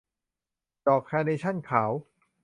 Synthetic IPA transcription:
dɔː˨˩k̚ʰɛː˧ne˧t͡ɕʰa˥˩nkʰaː˩˦w

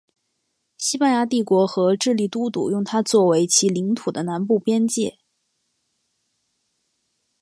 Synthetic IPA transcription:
ɕi˥pa˥nja˧˥t̪̬i˥˩kwɔ˧˥xɤ˧˥ʈ͡ʂɻ̩˥˧li˥˩t̪u˥t̪ṵ˨˩jʊ˥˩ŋt̪ʰa˥t͡swɔ˥˩we˧˥ɪt͡ɕʰi˧˥li˧˥ŋt̪ʰu˨˩d̪ə˦na˧˥npu˥˩pjɛ˥nt͡ɕjɛ̰˥˩

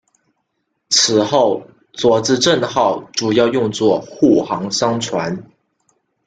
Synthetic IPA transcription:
t͡sʰɹ̩˨˩xo˥˩ʊ | t͡swɔ˧˥t͡sɹ̩˥˧ʈ͡ʂə˥˧nxɑ˥˩ʊʈ͡ʂu˨˩jɑ˥˧ʊjʊ˥˧ŋt͡swɔ˥˧xu˥˩xɑ˧˥ŋʂɑ˥ŋt͡sʰwa˧˥n

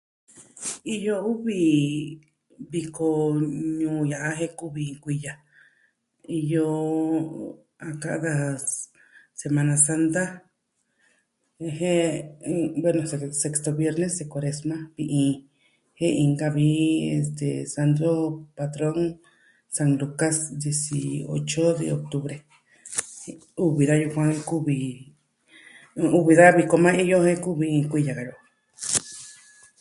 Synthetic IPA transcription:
i˧jo˦˧u˦βi˧ | βi˧ko˧ɲũː˧ja˨ʔa˦ɦe˦ku˦βi˧kʷi˧ja˨ | i˧jo˧ | a˧ka̰˧ʔd̪a˧ | se˧mã˧nã˧sa˦˧nt̪a˦ | e˧he˦ | bwe˦˧nõ˨sese˧kst̪o˧βje˦˧ɾne˦se˧ko˧ɾe˧smã˦βi˧ʔĩ˧ | he˦ʔĩ˧ŋɡa˧βi˧ḛ˧st̪ḛsa˧nd̪ɾo˦pat̪ɾo˦ŋ | sa˧ŋluka˦sd̪je˧sio̰˧t͡ʃo˦ðḛo˨k̚t̪u˧βɾe | u˧βi˧ða˦ju˧kʷã˦ŋku˦βi | u˧βi˧ða˦βi˧ko˧mã˦i˧jo˦he˦ku˦βĩ˧kʷi˧ja˨ɣa˨jo˨

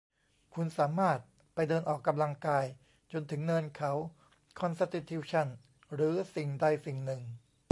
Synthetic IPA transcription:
kʰu˧nsaː˩˦maː˥˩t̪̚ | pa˧jdɤː˧nʔɔː˨˩kːa˧mla˧ŋkaː˧j | t͡ɕo˧nt̪ʰɯ˩˦ŋnɤː˧nkʰa˦˥w | kʰɔ˧nsa˧t̪ʰi˨˧t̪ʰːi˧˩wt͡ɕʰa˥˩n | ɾɯː˩˦si˨˩ŋdaː˥˩jsi˨˩ŋnɯ˨ŋ

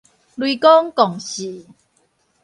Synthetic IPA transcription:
lwi˧kɔ˦ŋkɔ˨˩ŋɕi˨˩˦

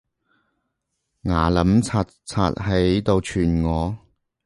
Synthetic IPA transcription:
ŋaː˨˩lɐ˨˥mt͡sʰaː˨˧t | t͡sʰa̰ː˧t̚ɦe˨˥jt̪o˧wt͡ʃʰyː˨˩nŋɔː˨˧

